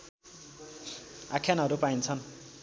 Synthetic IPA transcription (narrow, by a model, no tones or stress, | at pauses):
akʰjanɦʌɾupaint͡sʰʌn